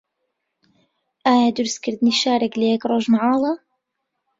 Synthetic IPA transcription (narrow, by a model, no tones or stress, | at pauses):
ʔaːjad̪ʊɾskɪɾd̪niʃaːɾakleekɾˤoːʒmaʕɑːlˤɑ